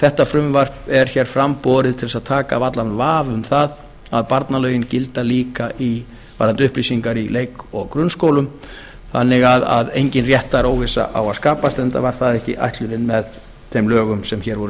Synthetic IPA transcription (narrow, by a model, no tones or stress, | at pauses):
θɛht̪afɾʏmvar̥pɛɾ̥çɛːɾ̥fɾampɔːɾɪðt̪ʰɪlsaðt̪ʰaːkavat̪lanvaːvʏmθað | aðpaɾt̪nalœːɥjɪncɪlt̪aliːkaʔi | va̰ɾant̪ʏhplɾisiŋkaɾilejkɔɣkɾʏnskoːwlʏm | θanːɪɣaða̰ðḛjɲcɪnrjɛht̪ːaɾoːwvɪsa̰ʔa̰waðskaːpast̪ɛnt̪a̰vaɾ̥θaðɛhcɪ̰ʔa̰jht̪lʏɾɪnmɛð | t̪ʰɛmlœːɣʏmsɛmçɛːɾvɔɾʏ